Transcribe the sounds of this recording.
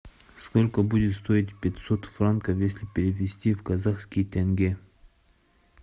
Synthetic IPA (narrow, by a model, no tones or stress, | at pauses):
skolʲkəbudʲɪt̪st̪oɪt̪ʲpʲɪt̪ʲsot̪frankəfjesʲlʲɪpʲɪɾʲɪvʲɪsʲtʲivkɐzaxskʲɪjt̪ʲaŋɡʲe